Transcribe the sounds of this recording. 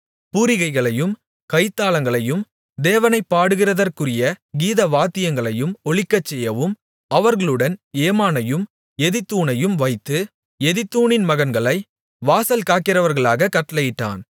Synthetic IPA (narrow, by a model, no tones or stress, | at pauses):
puːɾɪɣɐɪɣɐɭɐjɯm | kɐɪt̪ːaːlɐŋɡɐɭɐjɯm | d̪eːʋɐnɐɪpːaːɽɯɣɪrɐðɐrkɯrɪjɐɡiːðɐʋaːt̪ːɪjɐŋɡɐɭɐjɯmɔɭɪkːɐt͡ʃːɛjːɐʋɯm | ɐʋɐɾɣɐɭɯɽɐneːmaːnɐjɯm | ɛðɪt̪ːuːnɐjɯmʋɐɪt̪ːɯ | ɛðɪt̪ːuːɳɪnmɐɣɐnɡɐɭɐɪ | ʋaːsɐlkaːkːɪrɐʋɐɾɣɐɭaːɣɐkɐʈːɐlɐjɪʈːa̰ːn